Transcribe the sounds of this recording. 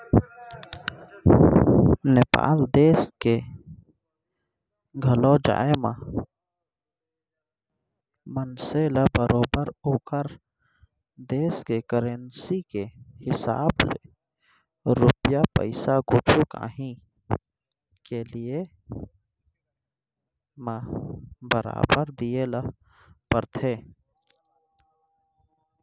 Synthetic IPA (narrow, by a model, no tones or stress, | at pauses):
nepa̰ːld̪eːske | ɡʱɐlod͡ʒa̰ːemã̰ | mənseːlabəɾoːbəɾoːkəɾ | d̪eːskekəɾensikehɪsa̰ːblḛ | ɾʊpjapə̰ɪsaɡot͡ʃʰuka̰ːɦĩ | kelije | mə | bəɾa̰ːbəɾd̪ijelə | pəɾt̪ʰeː